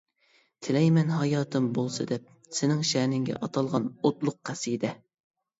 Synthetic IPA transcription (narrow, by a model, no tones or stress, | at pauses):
t̪ʰɪlɛjmɛnɦɑjɑːt̪ʰɨmbolˠsɨ̰d̪ɛp̚ | sɪnɪŋʃɛnɪŋɡʲɛ̰ʔɑt̪ʰɑlˠʁɑnot̪lˠʊq̚qæsɨd̪ɛ